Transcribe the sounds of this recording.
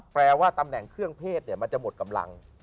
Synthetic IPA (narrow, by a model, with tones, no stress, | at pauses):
pɾɛː˧waː˥˩t̪a˧mnɛ˨˩ŋkʰɯ˥˩əŋpʰeː˥˩t̪̚ni˧˩əma˧nt͡ɕa˨˩ʔmo˨˩t̪̚ka˧mla̰˧ŋ